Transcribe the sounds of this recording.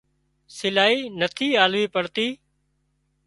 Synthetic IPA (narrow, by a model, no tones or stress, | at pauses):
sɪlaːiːnət̪ʰiːaːlʋiːpəɽt̪iː